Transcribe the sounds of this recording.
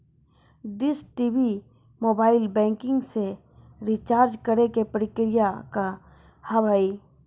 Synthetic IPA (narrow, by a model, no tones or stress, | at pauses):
ɖɪsʈiːbi | moːbaːɪlbɛ̃ːŋkɪ̃ŋɡse | ɾit͡ʃaːɾd͡ʒkəɾekepɾɪkɾɪjaka | hɐʋaːi